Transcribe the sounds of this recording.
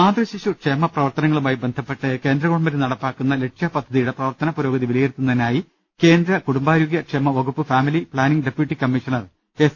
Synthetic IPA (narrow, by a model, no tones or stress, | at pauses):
aːd̪rɐɕiɕukʂemːɐprɐʋɐrt̪ɐnɐŋːɐɭumaːjibend̪ʱɐpːeʈːɨke̞ːnd̪ɾɐɣoɽɐmbɐɾunɐɽɐpːaːkːunːɐle̞ʈʂɐpɐd̪ʱːɐðijuɽe̞prɐʋɐrt̪ɐnɐpuɾo̞ːɡɐðiʋilɐjeɾt̪ːunːɐðinaːji | ke̞ːnd̪ɾɐkuɽumbaːɾuːɡjɐkʂemːɐʋɐɡupːɨfaːmilipɭaːniŋɡɖepjuʈːikɐmːiʂɐnɐr | es